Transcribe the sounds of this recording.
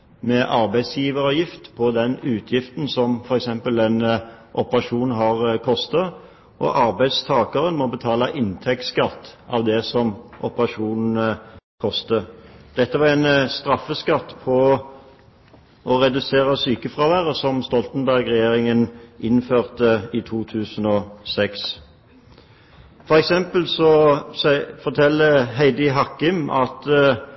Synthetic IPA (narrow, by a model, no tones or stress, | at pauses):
mɛʔɑɾbæɪsjiːʋəʁəjɪft̪pʰɔd̪ɛnʉːt̪ʰjɪft̪n̩sɔmfɔɾɛksɛmpəlɛnʔɔpəʁɑʂuːnɦɑʁkʰɔst̪ə | ʔɔ̰ʔɑɾbæɪd̪st̪ʰɑːkɑɾənmɔbət̪ʰɑːlɑʔɪnt̪ʰɛk̚t̪skɑt̪ːɑ̰ʋd̪ɛsɔmʔɔpəʁɑʂuːnn̩kʰɔst̪əd̪̥ɛt̪ːəʋɑʁɛnst̪ʁɑfːəskɑt̪ːpʰɔ | ʔɔʁɛd̪ʉseːʁəsyːkəfʁɑːʋæːʁəsɔmst̪ɔlt̪ənbæʁɡʁɛjeːʁɪŋənʔɪnføːʁt̪əit̪ʰuːt̪ʰʉːsənɔsɛks | fɔʁɛksɛmpəlsɔsfɔʁt̪ʰɛlːəɦæɪd̪ɪɦɑkːɪmʔɑ̰t̪